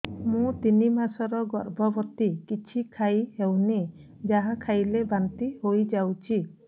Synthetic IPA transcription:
mũt̪inimasɔɾɔɡɔɾbʱɔbɔt̪ikit͡ʃʰikʰajhewne | d͡ʒaɦãkʰajlebant̪ihojd͡ʒawt͡ʃʰi

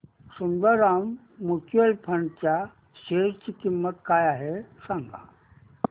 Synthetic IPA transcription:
sund̪əɾamː | ut͡ɕuelpʰɐnt͡ɕa | ɕeːɾt͡ɕikimːət̪̚kajaːɦesãŋɡa̰

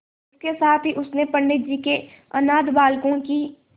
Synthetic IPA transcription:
ɪskesaːt̪ʰɦiʔʊsnepɐɳɖɪt̪̚d͡ʒike | ɐnaːd̪baːlkõki

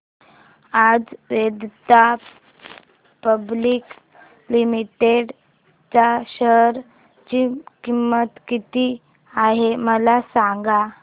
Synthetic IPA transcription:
ad͡zʋed̪t̪a | pəblik | limiʈeɽ | t͡saɕəɾ | t͡ɕikimːət̪kit̪i | aɦeməlasaŋɡa

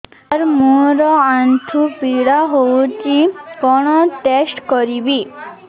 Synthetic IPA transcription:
ɾmuɾɔant̪ʰupiɽaɦout͡ʃikɔɽ̃ɔʈesʈkɔɾibi

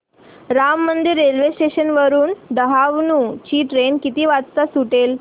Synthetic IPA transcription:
ɾamːənd̪iɾːelʋesʈeɕənʋəɾuːnɖ̪əɦaʋnũːt͡ɕiːʈɾenkit̪iːʋat͡st̪asuʈel

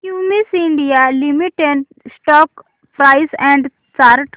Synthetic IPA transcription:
kumisĩɳɖijalimiʈeɳɖ | sʈɔːk | pɾaɪsɛ̃ɳɖ | t͡ʃaɾʈ

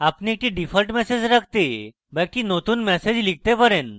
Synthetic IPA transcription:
apniek̚ʈĩɖifəlʈmɛsed͡ʑɾak̚ʰt̪e | bajʈinot̪uːnmɛsed͡ʑlik̚t̪epəɾen

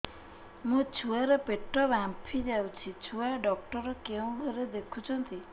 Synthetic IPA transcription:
mũt͡ʃʰuaɾɔpeʈːɔbãmpʰid͡ʒawt͡ʃʰit͡ʃʰuaɖɔk̚ʈɔɾɔkeũɡʱɔɾed̪ekʰut͡ʃʰɔnt̪i

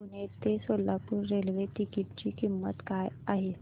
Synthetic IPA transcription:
unet̪esolapuɾɾelʋeʈikiʈ̚t͡ɕiːkimːə̰t̪kajaɦe

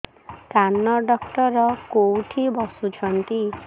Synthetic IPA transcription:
kanːɔɖɔkʈɔɾɔkowʈʰibɔsut͡ʃʰɔnt̪i

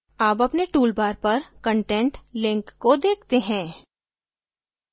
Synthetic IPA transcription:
aːpɐpneʈuːlbaːɾpɐɾkə̃ɳʈɛ̃ɳʈlɪ̃ŋkːod̪eːk̚ʰt̪eɦɛ̃ː

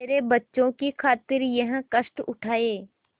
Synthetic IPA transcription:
eːɾebɐtːʃõkikʰaːt̪ɪɾjɐɦkɐʃʈʊʈʰaːeː

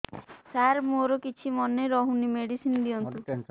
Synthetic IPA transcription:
saɾmoɾɔkit͡ʃʰimɔneɾɔɦunimeɽisind̪iɔnu

